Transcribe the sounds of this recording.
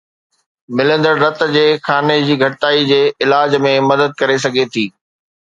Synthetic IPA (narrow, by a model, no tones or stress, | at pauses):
mɪlə̃nd̪əɾɾɐt̪̆d͡ʑeːxaːned͡ʑiːɡʱɐʈɪt̪aːid͡ʑeːɪlaːd͡ʑmẽmɐd̪əd̪̚kɐɾes̬ɐɡʱet̪ʰiː